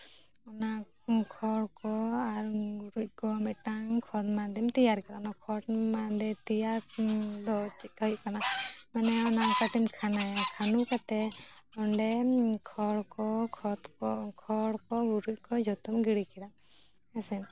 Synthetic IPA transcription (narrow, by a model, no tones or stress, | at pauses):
ɔna | kʰɔɽkɔaɾɡuɾuc̚ˀkɔmɛʈaŋkʰɔd̪̚mad̪ɛmt̪ijaɾkadaɔnakʰɔɽmad̪ɛt̪ijaɾd̪ɔt͡ʃit̪̚hɔkanamanɛɔnakaʈimkʰanakʰanukat̪ɛɔɳɖɛkʰɔɽkɔkʰɔt̪kɔkʰɔɽkɔɡuɾuc̚ˀkɔd͡ʒʱɔt̪umɡiɽikɛd̪a | ɛsɛn